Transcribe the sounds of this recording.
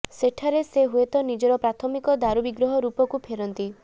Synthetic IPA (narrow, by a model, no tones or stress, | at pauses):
seʈʰaɾeseɦuet̪ɔnid͡ʒɔɾɔpɾat̪ʰɔmikɔd̪aɾubiɡɾɔɦɔɾupɔkupʰeɾɔnt̪i